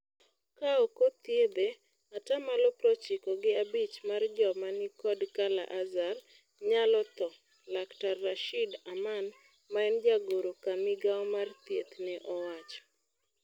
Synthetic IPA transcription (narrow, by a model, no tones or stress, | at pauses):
kaɔkot̪jeb̪e | atamalɔpɾɔt͡ʃɪkɔɡɪabit͡ʃmard͡ʒɔmanɪkɔdkala̰ʔazar | ɲalɔt̪ɔ | laktarːaʃidaman | maɛnd͡ʒaɡoɾokamɪɡaɔmart̪jet̪nɛʔɔwat͡ʃɔ̥